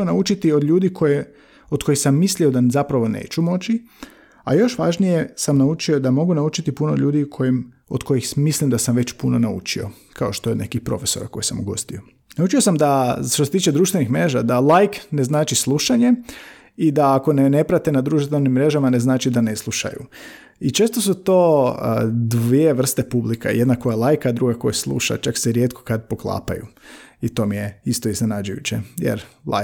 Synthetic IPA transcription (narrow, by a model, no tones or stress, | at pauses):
onaut͡ʃit̪iod̪ʎuːd̪ikʰoje | od̪ko̞jxsamːislio̞d̪azapɾaʋo̞nḛːt͡ʃumo̞t͡ʃi | a̰jo̞ʃʋaʒnije̞samnaut͡ʃio̞d̪amo̞ɡunaut͡ʃit̪ipunood̪ʎuːd̪ikʰojim | o̰d̪kʰo̞jixmislimd̪asamʋe̞t͡ɕpuno̞naṵt͡ʃio̞̰ | kʰao̞ʃt̪oeod̪ne̞̰kixpɾo̞̰fe̞so̞ɾa̰ko̞̰jisamuɡo̞̰st̪io̞ | naut͡ʃio̞samd̪aʃt̪ose̞t̪iːt͡ʃe̞d̪ɾuːʃt̪ʋe̞nixmɾe̞ʒad̪alajkneznaːt͡ʃislˠuʃaɲe̞ | id̪aːko̞nene̞pɾat̪enad̪ɾuːʃt̪enimːɾe̞ʒamaneznaːt͡ʃid̪ane̞slˠuʃa̰jṵ | it͡ʃe̞ːst̪osut̪o̞ː | d̪ʋieʋr̩st̪e̞publika̰jed̪nakojelˠajkaːd̪ɾuɡako̞jeslˠṵʃa̰t͡ʃakseɾje̞t̪kʰo̥kad̪̚po̞klˠa̰ːpa̰jṵit̪o̞mijeist̪oizne̞nad͡ʒujṵt͡ɕḛjḛɾla̰